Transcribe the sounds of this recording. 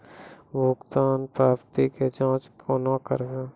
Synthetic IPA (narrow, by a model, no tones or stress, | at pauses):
ʋoːkt̪aːnpɾaːbt̪iked͡ʒãːt͡ʃkʰonakə̰ɾɡeː